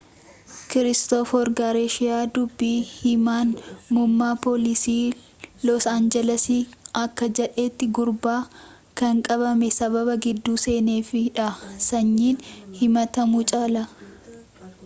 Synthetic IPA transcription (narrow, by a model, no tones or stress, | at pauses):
kɪɾɪst̪ɔfɔɾɡaɾeʃɪjaːd̪ʊbːiːhɪmaːnmʊmːaːpoːlɪsiː | lɔsaːnd͡ʒɛlɐsiːɐkːɐd͡ʒɛᶑe̞ːt̪ːɪɡʊɾbaː | kɐŋkʼɐβɐmɛsɐβɐbɐɡɪd̪ːuːse̞ːne̞ːfɪᶑɐsɐɲːiːnhɪmɐt̪ɐmʊt͡ʃʼaːlɐ